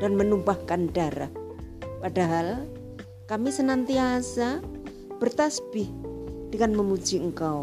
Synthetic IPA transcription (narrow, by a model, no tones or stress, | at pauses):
d̥anmənumpahkandaɾa̰hpadaɦal | kamisənant̪iasa | b̥ərt̪asb̥ɪhd̥əŋanməmud͡ʒiəŋkaw